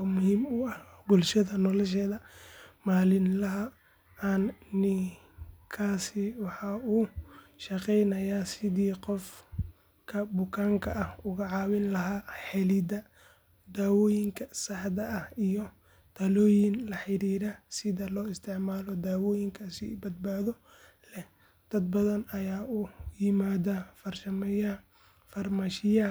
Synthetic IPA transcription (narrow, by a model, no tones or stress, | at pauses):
mʊhiːmʊɐhbʊlʃɐðɐnɔlɐʃɛːðɐmaːlɪnlɐɦɐ | aːnnɪ | kʰaːsɪwɑħɑːuːʃɐqɛjnɐjaːsɪðiːqɔf | kʰɐbʊkʰaːŋkʰɐʔɐhʊɣɐʕɑːwɪnlɐɦaːħɛlɪd̪ɐ | d̪aːwɔːjɪŋkʰɐsɐħd̪ɐʔɐhijɔ | t̪ʰɐlɔːjɪnlɐħɪɾiːɾɐsɪðɐlɔːɪst̪ʰɪʕmaːlɔd̪aːwɔːjɪŋkʰasḭbɐd̪̚baːðɔ | lɛh | d̪̥ɐd̪̚bɐðɐnɐjaːʔujɪmaːðafɐrʃɐmɛjɐ | fɐrmaːʃɪjɐ